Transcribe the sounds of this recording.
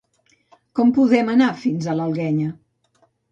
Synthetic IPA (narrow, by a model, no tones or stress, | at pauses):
kɔmpuðɛmənafinzələlˠɣɛɲə